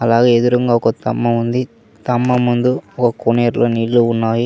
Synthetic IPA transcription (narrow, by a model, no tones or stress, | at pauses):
ɐlaːɡeed̪uɾuŋɡaɔkɐt̪ɐ̰mːɐmund̪i | t̪ɐmːɐmund̪uɔkɐkuneːɾloːnilːuunːaːji